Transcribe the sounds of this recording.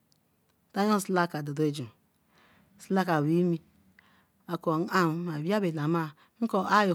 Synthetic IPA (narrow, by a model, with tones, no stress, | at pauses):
ta˦ɲ˦o˦sla˦ka˨do˨do˦e˦d͡ʒo˨ | sla˦ka˨wi˦mi˦ | a˨ko˨n̩˦a˦m˨˦ma˨bi˦a˦be˨na˨ma˦˨ | ŋ̩˦ko˦ʔa˦jo˨